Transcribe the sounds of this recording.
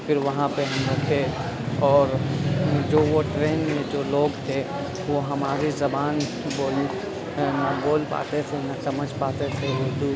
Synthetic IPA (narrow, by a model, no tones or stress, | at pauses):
fɪɾʋɐɦãpeɦɐmɾɐkʰe | ɔːɾ | d͡ʒoːʋoʈɾeːnmẽd͡ʒoːloːɡt̪ʰe | ʋoɦɐmaːɾizɐbaːn | boːl | nɐboːlpa̰ːt̪et̪ʰenasɐməd͡ʒʱpaːt̪esʰeod̪u